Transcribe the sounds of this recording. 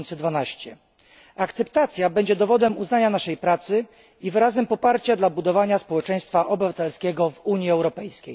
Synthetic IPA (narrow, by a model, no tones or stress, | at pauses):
nt̪sɛd̪vanaɕt͡ɕɛ | akt̪sɛp̚t̪at̪sʲjabɛɲd͡ʑɛd̪ɔvɔd̪ɛmuznaɲanaʂɛjpɾat̪sɘ | ivɘɾazɛmpɔpaɾt͡ɕad̪labud̪ɔvaɲaspɔwɛt͡ʂɛj̃st̪faʔɔbɘvat̪ɛlskʲɛɡɔvuɲiɛwɾɔpɛjskʲej